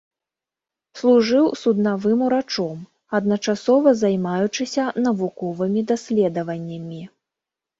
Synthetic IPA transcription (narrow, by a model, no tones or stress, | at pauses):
slˠuʐɨwsud̪navɨmuɾat͡ʂɔm | ɐd̪̚nɐt͡ʂasɔvɐzajmajut͡ʂɨsʲɐnɐvukɔvɨmʲid̪asʲlʲɛd̪ɐvɐnʲːɐmʲi